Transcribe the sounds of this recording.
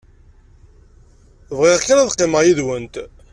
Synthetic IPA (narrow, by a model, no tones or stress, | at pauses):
vʁɪʁkːaɾaðqːɪməʁjiðwənt̪